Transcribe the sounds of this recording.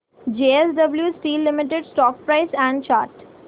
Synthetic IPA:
d͡ʒeːesɖəbljuːsʈiːlːɪmɪʈ̬eɖsʈɔːk̚pɾaɪsɛ̃ɳɖt͡ʃaːɾʈ

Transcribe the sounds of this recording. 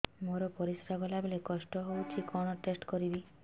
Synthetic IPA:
moɾɔpɔɾisɾaɡɔlabelekɔsʈɔɦowt͡ʃʰikɔɽ̃ɔʈesʈkɔɾibi

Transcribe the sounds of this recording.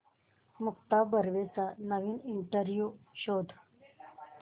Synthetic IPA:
mukt̪abəɾʋet͡sanəʋiːniɳʈəɾjuɕod̪ʱ

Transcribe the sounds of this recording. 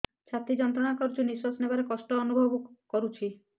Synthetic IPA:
t͡ʃʰat̪id͡ʒɔnt̪ɾɔnakɔɾut͡ʃʰuniswasnebaɾekɔsʈɔːnubʱɔbɔkɔɾut͡ʃʰi

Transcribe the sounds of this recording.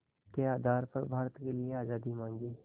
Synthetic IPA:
keaːd̪ʱaːɾpɐɾbʱaːɾət̪kelɪeaːd͡ʒaːd̪imãːŋɡiː

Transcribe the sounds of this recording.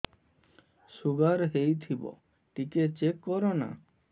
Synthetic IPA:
suɡaɾɦejt̪ʰibɔ̰ | ʈiket͡ʃekːɔɾɔna̰

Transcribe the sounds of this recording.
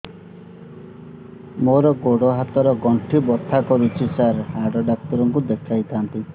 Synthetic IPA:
moɾɔɡoɽoɦat̪ɔɾɔɡɔɳʈʰibɔt̪ʰːakɔɾut͡ʃʰisaɾhaɖɔɖak̚t̪ɔɾɔŋkud̪ekʰajt̪ʰant̪i

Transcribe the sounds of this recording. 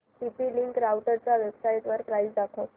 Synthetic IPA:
ʈipiliŋkɾawʈəɾt͡ɕaʋebsajt̪ʋəɾpɾaizd̪akʰo

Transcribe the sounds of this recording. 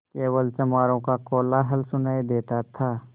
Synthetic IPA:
keːʋəlt͡ʃɐmaːɾõkakoːlaɦɐlsʊnaːid̪eːt̪at̪ʰaː

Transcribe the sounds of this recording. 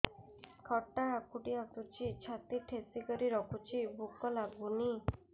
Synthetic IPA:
kʰɔʈːaːkuʈiat̪ut͡ʃʰit͡ʃʰat̪iʈʰesikɔɾiɾɔkʰut͡ʃʰibukɔlaɡuni

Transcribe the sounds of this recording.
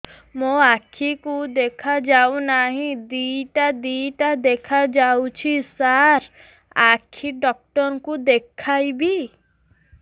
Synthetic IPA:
mõakʰikud̪ekʰad͡ʒawnaɦĩd̪iʈad̪iʈad̪ekʰad͡ʒawt͡ʃʰisaɾ | akʰiɖɔk̚ʈɔɾɔkud̪ekʰajbi

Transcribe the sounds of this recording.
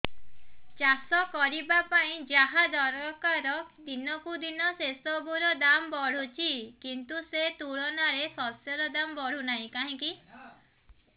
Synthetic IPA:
d͡ʒasɔkɔɾibapaĩd͡ʒaɦad̪ɔɾɔkaɾɔd̪inɔkud̪inɔsesɔbuɾɔd̪ambɔɽ̤ut͡ʃʰikint̪uset̪uɭɔnaɾesɔsjɔɾɔd̪ambɔɽ̤unaɦĩkaɦĩki

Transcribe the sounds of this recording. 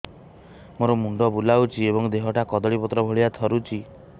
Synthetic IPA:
moɾɔmuɳɖɔbulawt͡ʃʰiebɔŋd̪eɦɔʈakɔd̪ɔɭipɔt̪ɾɔbʱoɭiat̪ʰɔɾut͡ʃʰi

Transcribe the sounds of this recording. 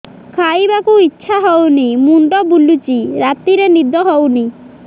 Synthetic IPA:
kʰajbakuitːʃʰaɦɔwnimuɳɖɔbulut͡ʃiɾat̪iɾenid̪ʱɔɦɔwni

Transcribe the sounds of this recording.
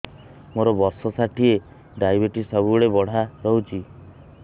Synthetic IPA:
moɾɔbɔɾsɔsaʈʰie | ɖajbeʈisɔbueɽebɔɽ̤aɾɔɦut͡ʃʰi

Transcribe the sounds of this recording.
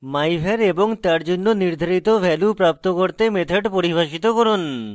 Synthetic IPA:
majbʱeɾeboŋt̪aɾd͡ʑonːoniɾd̪ʱaɾit̪obʱɛlupɾap̚t̪okoɾt̪emet̪ʰeɖpoɾibʱaʃit̪okoɾon

